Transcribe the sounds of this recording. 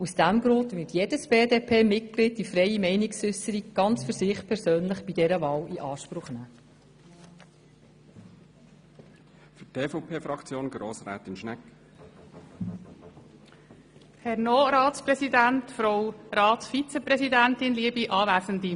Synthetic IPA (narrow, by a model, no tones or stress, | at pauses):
usd̥æmɡɾʊndʋɪtjeːdəsb̥eːdeːpʰeːmɪt̚klɪd̚d̥ifɾɛjimɛɪnɪksʏsəɾikɡ̥ɑnt͡sfʏɾsɪχpʰɛɾsøːnlɪχb̥idɛɾəvɑːliʔɑːʃpɾʊχnæː | fytʰeːfoʊpʰeːfɾɑkt͡sjoːnɡɾoːsɾæ̰ːt̪ɪnʃnɛkː | hɛɾnoːɾɑːtspɾɛsidæntfɾowɾɑːt̪sfit͡sɛpɾɛsidæntɪnliəbiʔɑːʋæːsəndi